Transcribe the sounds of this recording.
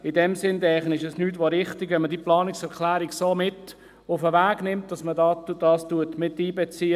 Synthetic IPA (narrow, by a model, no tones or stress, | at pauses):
ɪdɛmsɪndɛχənɪʃɛsnyːt̬ʋoɾɪχtɪɡʋɛmədiːplɑːnɪksɛɾkʰlæːɾiɡsoːmɪt | ʊfəvæːɡ̥nɪmt̚d̥ɑsmədɑtud̥ɑːstuətmɪtːiːbɛt͡siː